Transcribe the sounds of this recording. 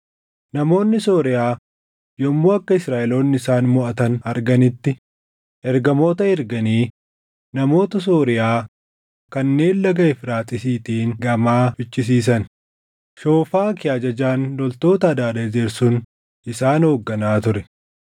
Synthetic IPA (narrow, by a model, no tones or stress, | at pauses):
nɐmo̞ːnːɪsoːɾɪjaː | jɔmːoːɐkːɐɪsɾaːʔɪlo̞ːnːɪɪsaːnmʊʔɐt̪ɐnɐɾɡɐnɪt̪ːɪ | ʔɛɾɡɐmo̞ːt̪ɐɛɾɡɐniː | nɐmo̞ːt̪ɐs̬oːɾɪjaː | kɐnːe̞ːlːɐɡɐɪfɾaːt̪ʼɪsiːt̪iːŋɡɐmaːbɪt͡ʃʼːɪs̬iːs̬ɐn | ʃo̞ːfaːkɪjaːd͡ʒɐd͡ʒaːnlɔlt̪o̞ːt̪ɐːd̪aːd̪ɐd͡ʒeːɾsʊn | ɪsaːnhoːɡːɐnaːt̪ʊɾɛ